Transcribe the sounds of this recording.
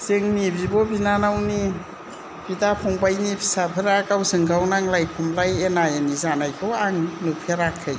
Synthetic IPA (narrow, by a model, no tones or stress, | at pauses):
z̥eŋnibibɔbinanawni | b̥idapʰɔŋbajnipʰi̥sapʰɯɾakawzɯŋɡawnaŋlajpʰumlajenajanizanajkʰɯwaŋnupʰeɾakʰːɯj